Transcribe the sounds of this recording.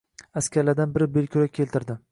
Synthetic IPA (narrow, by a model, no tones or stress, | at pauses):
askʲaɾlaɾd̪anbɪɾɪbelkʲʰʊɾakʲʰe̞lt̪ɪɾd̪ɪ